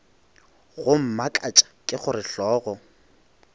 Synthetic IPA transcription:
ɣʊm̩makʼat͡ʃʼḁkʼɪχʊrɪɬɔːɣɔ

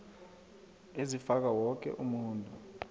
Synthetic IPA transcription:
ezifak̬awɔk̬ʼɛ̰ʔumuːntʼu

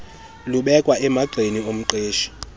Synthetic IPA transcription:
luɓɛkʼwaʔɛmaɡ͡ǀʱeniom̩ǃeːʃi̥

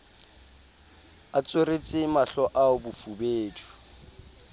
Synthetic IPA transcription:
at͡sʼoret͡sʼɪmaɬɔʔaʊbʊfubeːtʰu̥

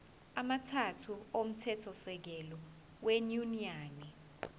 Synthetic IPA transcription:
amatʰatʰuom̩tʰɛtʰɔsɛk̬ɛlɔ | wenuniaːni

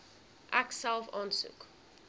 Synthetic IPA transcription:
ʔæksælˠfɑːnsṵk

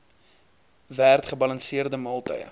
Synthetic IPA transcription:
værtχəbɐlɐnsiərdəmɐlˠtœ̰jə̰

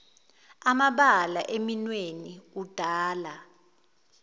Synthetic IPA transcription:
amaɓalaʔeminweniud̥ʱaːla

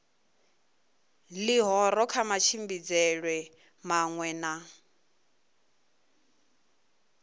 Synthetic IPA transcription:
liɦɔɾɔkʰamat͡ʃʰimbid͡zɛɺwɛ | maŋwɛna

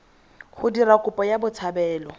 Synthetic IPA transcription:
χʊdirakʼʊpʼɔjabʊt͡sʰabɛːlɔ

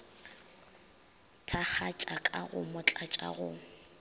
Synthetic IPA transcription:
tʰak͡xʰat͡ʃʼakʼaɣʊmʊt͡ɬʼat͡ʃʼa̰ɣʊ

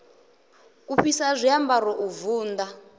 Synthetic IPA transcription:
uɸisazʷijambaɾɔʔuvuːnd̪a

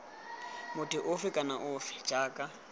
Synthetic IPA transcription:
mʊtɪʔʊfɪkʼanaʔʊːfɪ̥d͡ʒaːkʼa

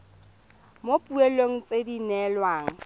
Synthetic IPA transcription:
mopʼuɛloŋ̩t͡sʼedinɛlwaːŋ̩

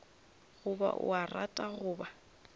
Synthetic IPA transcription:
ɣʊba̰ʔʊ̰aratʼaɣʊːba

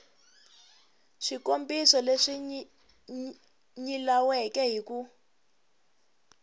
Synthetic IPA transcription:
ʂikombisɔleʂi | ɲilawɛkɛɦiku

